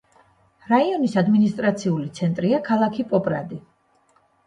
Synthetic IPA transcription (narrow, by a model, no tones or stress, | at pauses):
ɾaiɔnisad̪minist̪ʼɾat̪sʰiulit̪sʰɛnt̪ʼɾiakʰalˠakʰipʼɔpʼɾad̪i